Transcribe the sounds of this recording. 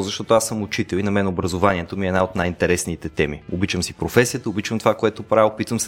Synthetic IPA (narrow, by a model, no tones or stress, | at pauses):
zɐʃt̪ɔt̪oasəmʊt͡ʃit̪ɛlinɐmɛnobɾɐzovaniɛt̪omiɛd̪naot̪najint̪ɛɾɛsnit̪ɛt̪ɛmiobit͡ʃəmsipɾofɛsijət̪əʊbit͡ʃvəmt̪ovakoɛt̪opɾaɛpit̪vəms